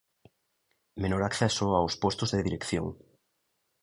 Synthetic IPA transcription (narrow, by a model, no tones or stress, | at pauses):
menoɾakθɛsʊawspɔst̪ʊzðeðiɾekθjo̰ŋ